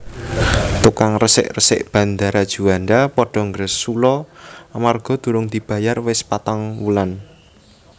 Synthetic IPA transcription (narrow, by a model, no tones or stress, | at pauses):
t̪ukaŋrəsɪ̰ʔrəsɪ̰ʔb̥ä̤nd̪aɾad̥ʒ̥uanɖapɔɖ̥ɔ̤ŋɡɾəsːulɔamarɡ̥ɔ̤d̪̥uɾʊŋd̪̥i̤b̥a̤jarwɪspat̪aŋwulan